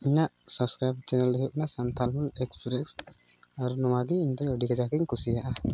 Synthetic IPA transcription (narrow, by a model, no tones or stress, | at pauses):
iɲaʔsɔbskɾajb̚t͡ʃɛnɛld̪ɔjɔʔnasant̪ʰalmulɛksɾɛksaɾunɔwaɡiiɲt̪ɔɲɔɖikad͡ʒakɛɲkʰusijaʔa